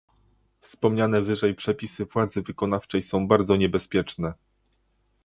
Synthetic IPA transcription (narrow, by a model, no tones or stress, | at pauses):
fspɔmɲanɛvɘʐɛjpʂɛpʲisɘvwad̪zɘvɘkɔnaft͡ʂɛjsɔ̃w̃baɾd̪zɔɲɛbɛspʲjɛt͡ʂnɛ